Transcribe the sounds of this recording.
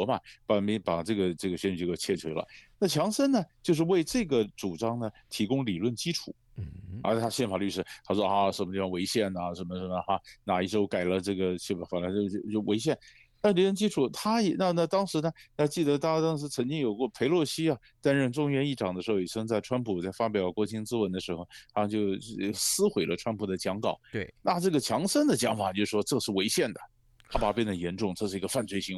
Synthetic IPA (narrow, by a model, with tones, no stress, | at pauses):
ɔ˧˥mɐ˨˩pa˨˩mi˧˥pa˨˩ʈ͡ʂɤ˥˩ɡə˩ʈ͡ʂɤ˥˩ɡə˩ɕɥɛ˥ny˥˩jt͡ɕʰjɛ˥˧t͡ɕʰwe˧˥lə̰˧na˥˩t͡ɕʰjɑ˧˥ŋʂə˥nnə˨t͡ɕjo˥˧ʊʂɻ̩˥˧we˥˧ɪʈ͡ʂɤ˥˩ɡə˩ʈ͡ʂu˨˩ʈ͡ʂɑ˥ŋnə˨t̪ʰi˧˥kʊ˥ŋli˨˩lwə˥˩nt͡ɕi˥ʈ͡ʂʰu˨˩˦ | a̰˧˥t̪ʰa˥ɕjɛ˥˩nfa˨˩ly˥˩ʂɻ̩˧˥t̪ʰa˥ʂwɔ˥˧a˥˧˩ʂə˨˩nmə˦t̪i˥˩fə˧˩we˧˥ɪɕjɛ˥˩nɐ˩ʂə˧˥nmə˧ʂə˧˥˩mə˧˩a˥˩na˨˩i˥˩ʂo˥ʊka˨˩ɪlə˦ʈ͡ʂɤ˥˩ɡə˩t͡ɕʰi˥˩˨fa˨˩nla˧˥o˥˧ʊ˥˧t͡ɕo˥˩we˧˥ɪɕ̬jɛ˥˩n | na˥˩li˨˩lwə˥˧nt͡ɕi˥ʈ͡ʂʰu˨˩t̪ʰa˥jɛ˨˩na˥˧na˥˧t̪ɑ˥ŋʂɻ̩˧˥nə˧a˥˧t͡ɕi˥˩d̪ə˧˥t̪a˥˧˥a˥t̪ɑ˥ŋʂ̬ɻ̩˧˥t͡sʰə˧˥ŋt͡ɕi˥ŋjo˨˩ʊkwɔ˥˩pʰe˧˥ɪlwɔ˥˩ɕi˥ɐ˧ | t̪a˥nɻə˥˧nʈ͡ʂʊ˥ŋɥɛ˧˥ni˥˩ʈ͡ʂɑ˨˩ŋd̪ə˦ʂɻ̩˧˥xo˥˧˩ji˨˩t͡ɕʰɤ˥ŋt͡sa˥˩ɪʈ͡ʂʰwa˥npʰu˨˩t͡sa˥˩ɪfa˥p̬jɑ˨˩ʊkwɔ˧˥˩t͡ɕʰi˧˥ŋt͡sɹ̩˥wə˧˥nd̪ə˧ʂɻ̩˧˥xo˧ʊt̪ʰa˥˧t͡ɕjo˥˧ʊsɹ̩˥xwe˨˧˩ɪlʔə˦ʈ͡ʂʰwa˥npʰu˨˩d̪ə˦t͡ɕjɑ˧˥ŋkɑ˨˩˦na˥˧ʈ͡ʂɤ˥˩ɡə˩t͡ɕʰjɑ˧˥ŋʂə˥nd̪ə˨t͡ɕjɑ˧˥ŋfa˨˩t͡ɕjo˥˧ʊʂɻ̩˥˧ʂwɔ˥ʈ͡ʂɤ˥˧ʂɻ̩˥˩we˧˥ɪɕjɛ˥˩nd̪ə˩ | t̪ʰa˥pa˨˩pjɛ˥˩nd̪ə˩jɛ˧˥nʈ͡ʂʊ˥˩ŋʈ͡ʂɤ˥˧ʂɻ̩˥˩i˧˥ɡə˧fa˥˧nt͡swe˥˩ɪɕi˧˥ŋ